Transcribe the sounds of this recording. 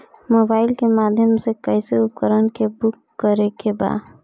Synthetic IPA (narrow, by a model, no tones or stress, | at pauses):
mobaɪlkemad̪ʱjəmsekəjseup̚kəɾənkebukːəɾekeba̰